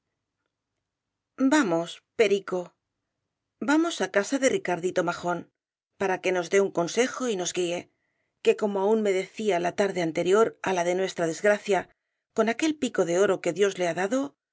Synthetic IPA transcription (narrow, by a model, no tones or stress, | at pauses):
bamo̞spe̞ɾiko̞ | bamo̞sakasaðe̞rikaɾðit̪o̞maxo̞n | paɾake̞no̞zd̪e̞uŋko̞nse̞xo̞ino̞zɣie̞ | ke̞ko̞mo̞aunme̞ðe̞θialat̪aɾðe̞ant̪e̞ɾjo̞ɾalaðe̞nwe̞st̪ɾaðe̞zɣɾaθja | ko̞nake̞lpiko̞ðe̞o̞ɾo̞ke̞ðjo̞zle̞aðaðo̞